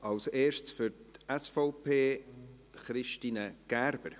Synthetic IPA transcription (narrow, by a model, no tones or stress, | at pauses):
ɑwseːʃt͡sfʏɾtɛsfɔʊpʰeːtχɾɪʃtiːnəɡ̥æɾb̥əɾ